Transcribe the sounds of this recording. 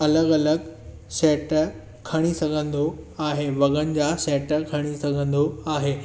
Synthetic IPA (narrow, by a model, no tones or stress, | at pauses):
ələɡələɡ | sɛʈə | kʰəɽ̃isəŋɡə̃nd̪ʱoaɦeʋəɡənd͡ʑasɛʈəkʰəɽ̃isə̃ɡə̃nd̪ʱoaɦe